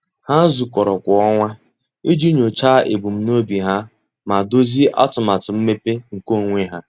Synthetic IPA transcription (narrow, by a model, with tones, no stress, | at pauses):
ha˦n̩˦zu˨kɔ˨ɾɔ˨kʷɔ˨ɔ˦ŋʷa˦ | i˦d͡ʒi˦ɲo˨t͡ʃaː˦ʔḛ˨bu˨m̩˦no˦bi˨ɦa˦ | ma˨do˦zi˦ʔa̰˦tʊ˨ma˨tʊ˨m̩˦me˦pe˦ŋ̩˨ko˦˨ŋʷe˦ɦa˦